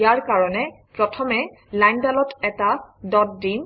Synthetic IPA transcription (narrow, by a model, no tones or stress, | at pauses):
jaɹkaɹɔnɛ | pɹɔtʰɔmɛ | lajndalɔtɛtadɔtdim